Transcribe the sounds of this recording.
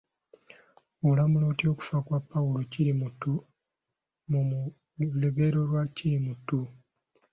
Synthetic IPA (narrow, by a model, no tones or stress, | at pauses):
olamulo̞ːtio̞ku̥fakwapːaulo̞ciɾimutu | mum | leɡe̞ɾo̞lwaciɾimutu